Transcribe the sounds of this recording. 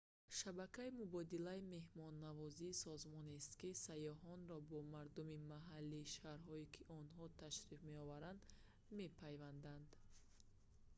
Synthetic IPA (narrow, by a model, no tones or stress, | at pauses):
ʃabakʰaimubɔd̪ilaime̞hmɔnːavɔziːsɔzmɔnest̪kisajɔɦɔnɾɔbɔmaɾd̪umimaɦalːiːʃaɾɦɔikʰiʔɔnɦɔt̪ʰaʃɾifme̞ɔvaɾand̪ | me̞pʰajvand̪and̪